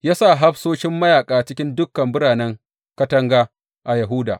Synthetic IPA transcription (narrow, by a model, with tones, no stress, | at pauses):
jaː˦sa˦˨ɦa˦ɸsoː˦ʃɪ˦mːɐ˦jaː˨kʼaː˨t͡ʃɪ˦kʲɪ˦ndʊ˦kːɐ˨mbʊ˦ɽaː˨nɛ˦ŋ | kɐ˦tɐ˦ŋɡaː˦ | ʔa˨jɐ˨ɦʊ˦da̰ː˨